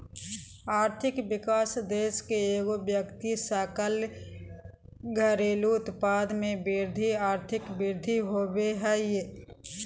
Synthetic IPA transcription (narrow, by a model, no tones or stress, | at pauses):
aːɾt̪ʰɪkʋɪkaːsd̪eːʃkeeːɡobjəkt̪isaːkəl | ɡʱəɾeːluʊt̪paːd̪mẽbɪɾd̪ʱiaːɾt̪ʰɪkbɪɾd̪ʱiɦoːweɦɛje